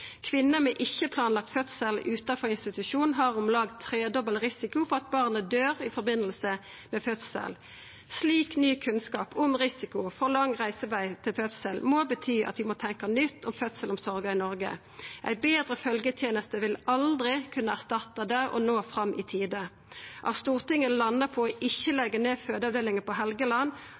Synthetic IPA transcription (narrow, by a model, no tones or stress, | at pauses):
kʰʋɪnːəmɛʔɪçːəpʰlɑːnlɑk̚t̪fœt̪səlʉːt̪ɑfɔʁɪnst̪ɪt̪ʉʃuːnɦɑːʁʊmlɑɡ̚t̪ʰːʁeːd̪ɔbəlʁɪsɪkʊfɔʁɑt̪̚bɑʁnəd̪øːʁɪfɔʁbɪnːəlsə | mɛfœt̪sə̰l | sliːknyːkʰʉnskɑːpʊmʁɪsɪkʊfɔʁlɑŋʁæɪsəʋæɪt̪ʰɪlfœt̪səlmoːbət̪ʰyːʔɑ̰t̪ʋɪmot̪ʰɛŋkɑnʏt̪ʰːɔmfœt̪səlɔmsɔʁɡɑɪnɔʁɡə̰ | ʔæ̰ɪbeːd̪ʁəfœlɡət̪ʰjeːnəst̪əʋɪlɑld̪ʁɪkʰʉnːəæʁst̪ɑt̪ːɑd̪æʁɔ̰noːfʁɑmːʔɪt̪ʰiːd̪ə | ʔɑ̰st̪uːʁt̪ɪŋəlɑnːəpʰɔɔʔɪçːəlɛɡːəʁneːføːd̪əɑʋd̪eːlɪŋəpɔɦɛlɡəlɑnː